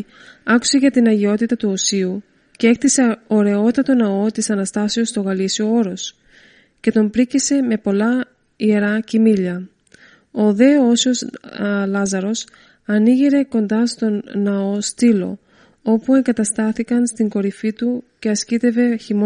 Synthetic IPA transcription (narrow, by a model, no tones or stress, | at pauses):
ɐku̥se̞ʝɐt̪inɐʝeo̞t̪it̪ɐt̪uosiu | ce̞e̞kt̪ise̞o̞ɾe̞o̞t̪ɐt̪o̞nɐo̞t̪isɐnɐst̪ɐsiost̪o̞ɣɐlisio̞o̞ɾo̞s | ce̞t̪o̞mbɾicise̞me̞po̞lɐ | ie̞ɾɐcimiʎɐ | o̞ðe̞osio̞slɐzɐɾo̞s | ɐniʝiɾe̞ko̞nd̪ɐst̪o̞nnɐo̞st̪ilo̞̰ | o̞pue̞ŋɡɐt̪ɐst̪ɐθikɐnst̪iŋɡo̞ɾifit̪uce̞ɐscit̪e̞ve̞çim